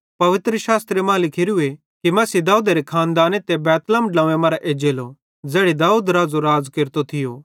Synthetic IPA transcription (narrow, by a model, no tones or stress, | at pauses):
pɐʋɪt̪ɾəʃaːst̪ɾemãːlɪkʰiɾue | kimɐsid̪aːuːd̪aɾekʰaːnd̪aːnet̪ebɛːt̪ləmɖãːemɐːɾaʔeːd͡ʒeːlo | d͡zɛːɽid̪aːuːd̪ɾaːd͡zoɾaːd͡zkɪɾt̪ot̪ʰɪjoː